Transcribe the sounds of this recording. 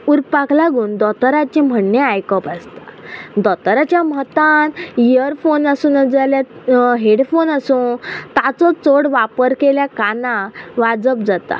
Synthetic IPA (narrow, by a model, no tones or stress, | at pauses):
uɾkpaklaɡuːnd̪ɔt̪ɾat͡ɕem̤əɳːeajkəpast̪ad̪ɔt̪ɾat͡ɕjamət̪ãnijəɾfonəsuːnəd͡zaljaɦeɽfonəsuːnt̪at͡sɔt͡soɽʋapəɾkeljakanãʋad͡zəpd͡zat̪a̰